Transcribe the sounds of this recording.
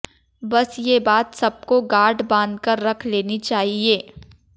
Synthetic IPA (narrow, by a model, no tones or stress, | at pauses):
bɐsjebaːt̪sɐb̚koɡaːɾɖbãːnd̪kəɾːɐkʰleːnit͡ʃaːɦieː